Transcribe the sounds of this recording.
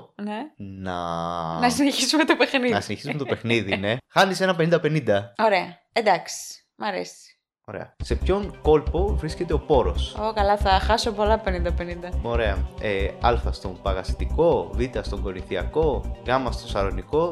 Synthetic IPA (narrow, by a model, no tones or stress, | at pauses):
nenɐ̰nɐsineçisumet̪opexniðnɐsineçi̥sume̞t̪ope̞xniðine̞xɐnise̞nɐpenĩnd̪ɐpe̞nind̪ɐo̞ɾe̞ɐ | ed̪ɐksi̥ | mɐɾḛsi̥ | o̞ɾḛɐ̰se̞pço̞ŋko̞lpo̞vɾisce̞t̪e̞o̞po̞ɾo̞sokɐlɐθɐxɐsopo̞lɐpe̞nind̪ɐpe̞nind̪ɐmoɾe̞ɐeɐlfɐst̪o̞mpɐɣɐsi̥t̪iko̞vit̪ɐst̪o̞ŋɡo̞niθiɐ̰ko̞ɣɐmɐst̪o̞sɐɾo̞niko̞